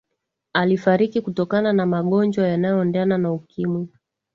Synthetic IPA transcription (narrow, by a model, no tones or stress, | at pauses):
alifaɾikikutɔkananamaɠɔnd͡ʒwajanajɔːndɛananaukimwi